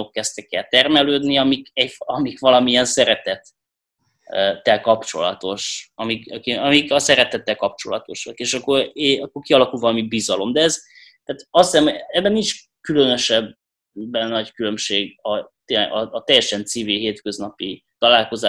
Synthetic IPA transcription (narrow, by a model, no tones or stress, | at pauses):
okːɛst̪ɛkːɛlt̪ɛrmɛløːd̪niɒmikɛfɒmikʋɒlɒmiɛnsɛɾɛt̪ɛt̪ | t̪ːɛlkɒpt͡ʃo̞lɒ̰t̪o̞ʃɒmikɒkiɒmikɒsɛɾɛt̪ɛt̪ːɛlkɒp̚t͡ʃo̞lɒ̰t̪o̞ʃɒkeːʃɒkːoreɒkːorkiɒlɒkulvɒlɒmibizɒlo̞md̪ɛɛz | t̪aːt̪ɒsisɛmoɛbːɛnint͡ʃ | kylønø̞ʃɛbː | ɛnːɒckylø̞mʃeːɡɒt̪eːlɛ̰ɡɒːt̪ɛjːɛʃɛnt̪siːviɦeːt̪kø̞znɒpi | t̪ɒlaːlko̞zaː